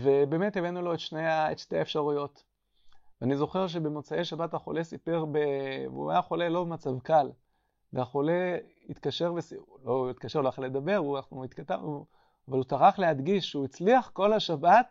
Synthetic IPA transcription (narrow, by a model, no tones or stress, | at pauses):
ve̞be̞ːmet̪evenulo̞et̪ʃneaḛtʃte̞aefʃaʁujo̞t | veanizo̞χe̞ʁʃ̬e̞bemot͡saejʃabataχo̞̰lesipeʁbevṵa̰jaχo̞lelo̞bemat͡savkal | veaχole̞ | it̪kaʃe̞ʁvesiloit̪kaʃeʁloaled̪abe̞ʁuaχuit̪kat̪a̰u | avalut͡saʁaχleɦad̪ɡiʃʃeuit͡sliaχko̞lhaʃabat̪̚